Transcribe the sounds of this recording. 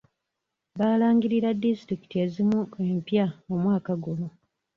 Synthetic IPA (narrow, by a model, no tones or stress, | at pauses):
βaːlaːŋɡiɾiɾadːistɾiki̥tie̞ːzimue̞ːmpjaomwaːkaɡuno